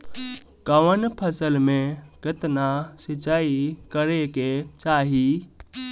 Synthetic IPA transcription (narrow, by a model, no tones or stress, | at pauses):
kəʋənpʰəsəlmẽkɪt̪nasɪt͡ʃaːikəɾeket͡ʃaːɦi